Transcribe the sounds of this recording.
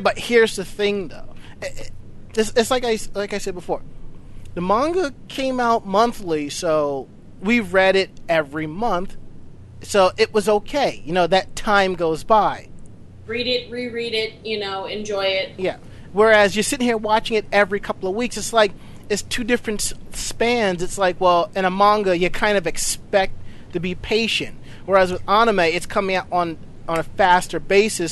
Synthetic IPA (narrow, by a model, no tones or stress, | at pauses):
bʌt̚hiɹzðɨθɪ̃ŋðoʊ | ɨtsɨtslaɪkaɪslaɪkaɪsɛd̚bəfɔɹðɨmɑ̃ŋɡəkʰẽɪ̃maʊt̚mʌ̃nθlisoʊ | wiɹɛɾɪɾɛvɹimʌ̃nθ | soʊʔɪʔ̚wʌzoʊkʰeɪjɨnoʊðɨtʰãɪ̃mɡoʊzbaɪ | ɹiɾɪt̚ɹiɹiɾɪt̚jɨnoʊɨ̃nd͡ʒɔɪɪt̚jæ | wə˞ɨzjə˞sɪɾɪ̃ŋhiɹwɑt͡ʃɪ̃ŋɨɾɛvɹikʰʌpl̩ˠʌvwiksɨtslaɪk̚ | ɨtstʰʉdɪfɹɨ̃ntspæ̃ndzɨtslaɪkwɛlˠɨ̃ñəmɑ̃ŋɡɨjɨkʰãɪ̃ndʌvɨkspɛk̚ttʰ | ɨbipʰeɪʃɨ̰̃nt̚ | wə˞ɨzwɨðɑñəmeɪɨtskʰʌ̃mɪ̃ŋaʊɾn̩ | n̩ɨfæstə˞beɪsɨs